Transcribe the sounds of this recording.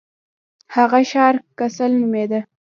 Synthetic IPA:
haɣaʃɑɾkasalnumed̪a

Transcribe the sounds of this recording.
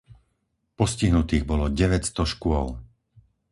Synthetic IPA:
pɔsciɦnut̪iːɣbɔlɔɟɛʋɛcst̪ɔʃkʊɔl

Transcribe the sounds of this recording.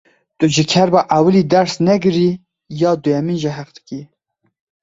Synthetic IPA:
t̪ʊʒɪkʰɛɾbɑʔawɨliːd̪ɛɾsnɛɡɨɾi | jɑːd̪ʊjɛminʒɛɦɛqd̪ɨ̥ki

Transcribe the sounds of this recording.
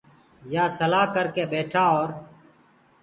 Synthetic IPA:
jaːsəlaːkəɾkeːbeːʈʰaːoːɾ

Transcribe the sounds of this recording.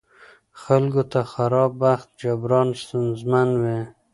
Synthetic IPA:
xalɡot̪axaɾɑbːaxt̪̚d͡ʒabɾɑnst̪ənzmanwe

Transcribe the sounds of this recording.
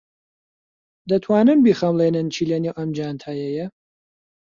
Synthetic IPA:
d̪ɐt̪ʰwaːnɨnbiχɐmlˠeːnɨnt͡ʃʰiːleniwʔɐmd͡ʒaːnt̪ʰaːjɛjɛ

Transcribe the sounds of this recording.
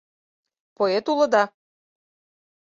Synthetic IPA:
poet̪ulɤ̆d̪ɑ

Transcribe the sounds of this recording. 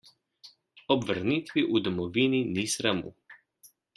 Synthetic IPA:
ɔbʋəɾnit̪ʋiʔud̪ɔmɔʋininisɾamṵ

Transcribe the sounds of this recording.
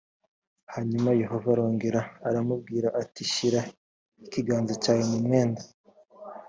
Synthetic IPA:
haɲumaje̞ho̞vaɾo̞ːŋɡe̞ɾaːɾamub̚ɡiːɾaʔatiʃiɾa | ikiɡaːnzecaːjemumŋeːnda

